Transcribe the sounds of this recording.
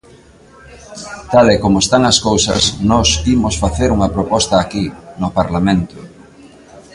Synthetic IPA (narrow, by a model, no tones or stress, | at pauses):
t̪alɛkomʊest̪aŋɐskowsɐ̰snɔsimʊsfaθeɾuŋɐpɾopɔst̪ɐːkinʊpaɾlamẽnt̪ʊ